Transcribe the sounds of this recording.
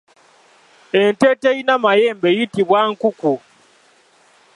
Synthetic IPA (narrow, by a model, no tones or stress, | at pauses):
enteteinamajeːmbejitiβwaŋkuku